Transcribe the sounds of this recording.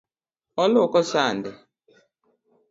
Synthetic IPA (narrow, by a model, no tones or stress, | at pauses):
ɔlɔkɔsandɛ